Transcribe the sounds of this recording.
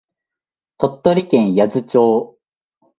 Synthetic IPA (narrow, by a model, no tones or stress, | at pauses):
t̪o̞t̪ːo̞ɾʲikẽ̞ɰ̃jazɨt͡ɕoː